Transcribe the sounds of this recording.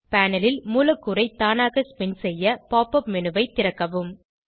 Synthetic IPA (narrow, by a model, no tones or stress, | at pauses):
paːnɐlɪlmuːlɐkːɯɾɐɪt̪ːaːnaːɣɐspɪnsɛjːɐpaːpɐpmɛnɯʋɐɪt̪ːɪɾɐkːɐʋɯm